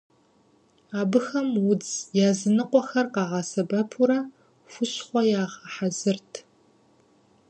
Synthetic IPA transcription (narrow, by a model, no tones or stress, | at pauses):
aːbɨxɐmwʊd͡zjaːzɨnɨqʷʼɔxɐrqɑːʁɐsɐbɐpʰuɾɐ | fʷʊɕχʷɔjaːʁɐħazɨrtʰ